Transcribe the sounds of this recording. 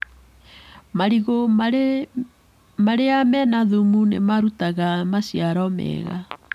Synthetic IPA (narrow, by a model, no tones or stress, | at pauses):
maɾiɣo | maɾeamɛnaðumunḛmaɾutaɣamasjaɾɔmɛ̰ːɣa̰